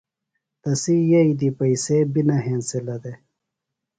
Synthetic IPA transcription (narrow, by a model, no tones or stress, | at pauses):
t̪ɐsijɐid̪ipɐisebinɐɦẽːnselɐd̪e